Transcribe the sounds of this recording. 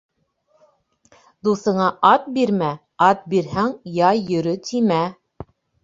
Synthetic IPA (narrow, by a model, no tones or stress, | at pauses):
d̪uθɤ̆ɴɑʔɑt̪̚biɾmæ | ɑt̪̚biɾɦæŋjɑjjɵ̆ɾɵt̪ʰimæ